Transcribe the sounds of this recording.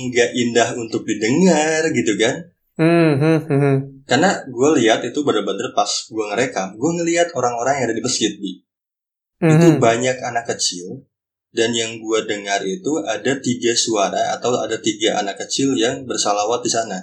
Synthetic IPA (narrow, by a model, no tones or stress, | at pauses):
ŋɡaʔindaɦunt̪ʊk̚didəŋarɡit̪ukan | karnaɡualiɦat̪it̪ubandərbandərpasɡuaŋəɾekaɡuaŋəliɦat̪oɾaŋoɾaŋjaŋadadibəsɪt̪̚di | it̪ubaɲakanakːət͡ʃɪl | danjaŋɡuadəŋarit̪uadat̪iɡasuaɾaa̰t̪awa̰dat̪iɡaʔa̰nakːət͡ʃɪljaŋbərsalawat̪̚disana